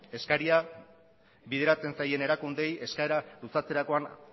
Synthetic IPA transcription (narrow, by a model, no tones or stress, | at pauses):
e̞skaɾia | βiðe̞ɾat͡se̞nsaje̞ne̞ɾakund̪e̞je̞skaeɾalusat͡se̞ɾako̞an